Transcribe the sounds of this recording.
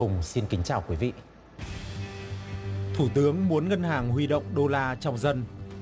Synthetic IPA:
ʊ˨˩ŋ͡msi˧nkï˨˦ŋ̟t͡ɕaː˨˩wkwi˨˦vḭ˧˨ | t̪ʰu˧˩t̪ɨ˨˦əŋmu˨˦ənŋə˧nɦaː˨˩ŋhwi˧ɗo̰˧˨wŋ͡mɗo˧laː˧t͡ɕɔ˧wŋ͡mzə˧n

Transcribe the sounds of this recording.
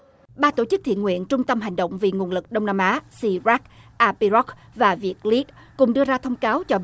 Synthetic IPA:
ɓaː˧t̪o˧˩t͡ɕɨ˦˥k̚t̪ḭ˧˨ənŋwḭ˧˨ənt͡ɕʊ˧ŋ͡mt̪ə˧mɦa˨˩jŋ̟ɗo̰˧˨wŋ͡mvḭ˨˩ŋu˨˩ənlɨ˨˩k̚ɗə˧wŋ͡mnaː˧mʔaː˨˦si˧zaː˦˥k̚ʔaː˧pi˧zɔ˦˥k̚ | vaː˨˩vi˨˩ək̚li˦˥k̚ | kʊ˨˩ŋ͡mɗɨ˧əzaː˧t̪ʰə˧wŋ͡mkaː˨˦wt͡ɕɔ˧

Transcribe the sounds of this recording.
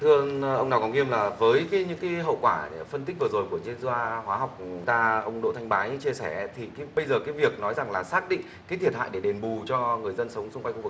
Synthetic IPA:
t̪ʰɨ˧əʔə˧wna˨˩kɔ˨˦ŋi˧əmlaː˨˩vəː˨˦jkaː˨˦jɲɨ̰˧˥ŋka˨˦ɦə̰˧˨wkwaː˧˩fə˧nt̪ï˦˥k̚vɨ˨˩zo˨˩jku˧˩əzi˧nzwaː˧hwaː˨˦ɦa˨˩wk͡p̚t̪aː˧ʔə˧wŋ͡mɗo̰˧˨t̪ʰjŋ̟ɓaː˨˦jɲɨ̰˧˥t͡ɕi˧sɛ˧˩˦t̪ʰi˨˩kːɓə˧jzəː˨˩kaː˨˦jvi˨˩ək̚nɔ˨˦jza˨˩ŋlaː˨˩saː˦˥k̚ɗḭ˧˨ŋ | kaː˨˦t̪ʰi˨˩ət̚ha̰ː˧˨jɗe˧˩ɗe˨˩nɓu˨˩t͡ɕɔ˧ŋɨ˨˩əjzə˧nsə˨˦wŋ͡msʊ˧ŋ͡mka˧jŋxv̚

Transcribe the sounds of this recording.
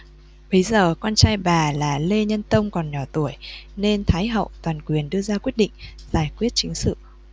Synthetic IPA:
ɓə˨˦jzəː˨˩kwɔ˧nt͡ɕaː˧jɓaː˨˩laː˨˩le˧ɲə˧nt̪ə˧wŋ͡mkɔ˨˩nɲɔ˧˩t̪u˧˩əjne˧nt̪ʰaː˨˦jɦə̰˧˨wt̪waː˨˩nkwi˨˩ənɗɨ˧əzaː˧kwi˦˥ət̚ɗḭ̈˧˨ŋ̟zaː˧˩jkwi˦˥ət̚t͡ɕï˨˦ŋ̟sɨ̰˧˨

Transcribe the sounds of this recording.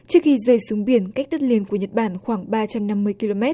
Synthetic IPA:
t͡ɕɨ˦˥ək̚xi˧zəː˨˧˩jsu˨˦ŋɓi˧˩ənka˦˥k̚t̪ə˦˥t̚li˧ənku˧˩əɲə˨˩t̚ɓaː˧˩nxwaː˧˩ŋɓaː˧t͡ɕa˧mna˧mːɨ˧əjki˧lo˧mɛ˦˥t̚

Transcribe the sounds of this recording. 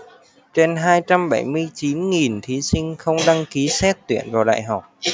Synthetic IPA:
t͡ɕe˧nɦaː˧jt͡ɕa˧mɓa˧˩jmɨ˧əjt͡ɕi˨˦nŋi˨˩nt̪ʰi˨˦sï˧ŋ̟xə˧wŋ͡mɗa˧ŋki˨˦sɛ˦˥t̚t̪wḭ˧˩ənvaː˨˩wɗa̰ː˧˨jɦa˨˩k͡p̚

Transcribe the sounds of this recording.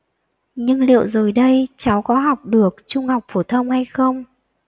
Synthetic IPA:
ɲɨ˧ŋlḭ˧˨ə˨wzo˨˩jɗə˧jt͡ɕa˨˦wkɔ˨˦ɦa˨˩wk͡p̚ɗɨ˨˩ək̚t͡ɕʊ˧ŋ͡mha˨˩wk͡p̚fo˧˩t̪ʰə˧wŋ͡mha˧jxə˧wŋ͡m

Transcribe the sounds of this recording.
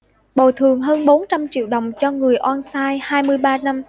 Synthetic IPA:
ɓo˨˩t̪ʰɨ˨˩əŋɦəː˧nɓo˨˦nt͡ɕa˧mt͡ɕḭ˧˨wɗə˨˩wŋ͡mt͡ɕɔ˧ŋɨ˨˩əjʔwaː˧nsaː˧jhaː˧jmɨ˧əjɓaː˧na˧m

